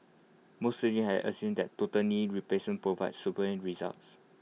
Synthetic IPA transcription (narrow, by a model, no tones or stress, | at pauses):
mosted͡ʒĩnhɛvə̰sũndɛttːotəniɹiplesmə̃npɹovaɪdsupəlĩnɹiza̰lts